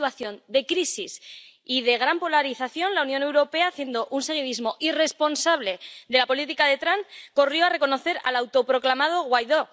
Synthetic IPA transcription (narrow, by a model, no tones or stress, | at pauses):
waθjo̞nd̪e̞kɾisis | iðe̞ɣ̞ɾampo̞laɾiθaθjo̞nlaunjo̞ne̞wɾo̞pe̞aːθje̞nd̪o̞ʔunse̞ɣ̞iðizmo̞ʔire̞spo̞nsaβle̞d̪e̞lapo̞lit̪ikaðe̞t̪ɾanko̞rjo̞are̞ko̞no̞θe̞ɾa̰lawt̪o̞pɾo̞klamað̞o̞ɣwajðo̞